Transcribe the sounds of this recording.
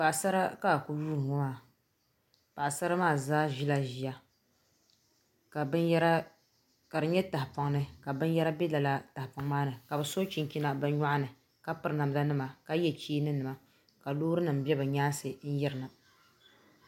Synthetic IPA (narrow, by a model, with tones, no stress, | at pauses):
pa˨ʔsa˦ɾa˦ka˦˨ku˦juː˦ɾɨ˨ŋɔ˦maː˦˨ | pa˨ʔsa˦ɾa˦maː˦˨zaː˦ʒi˦la˦ʒi˨ja˨ | bɾa˦ | ka˨ɾɨ˨ɲɛ˦ta˨hpa˨ŋnɨ˨ka˨bɨ˦n˦jɛ˦ɾa˦bɛ˦la˨la˦ta˨hpa˨ŋmaː˦nɨ˨ka˨bɨ˨so˦t͡ʃi˨ŋ˨ki˦na˨bɨ˨˦ɲa˦ʔa˦nɨ˨ | ka˦pɨ˨ɾna˨m˦da˦nɨ˦ma˨ka˦jɛ˦t͡ʃiː˦nɨ˦nɨ˨ma˨ | ka˨loː˦ɾɨ˦nɨ˨m̩˦bɛ˦bɨ˨ɲaː˦sɨ˨n̩˦jɪ˦ɾɨ˨na˨